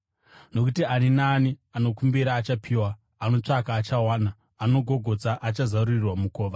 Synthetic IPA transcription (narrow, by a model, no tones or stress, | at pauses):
no̞kutianinaːniano̞kumbiɾaːt͡ʃapʰiːwaː | no̞t͡ʂakaːt͡ʃawaːnaː | no̞ɡʱo̞ɡʱo̞d͡zaʔat͡ʃazaururirwamukoːʋa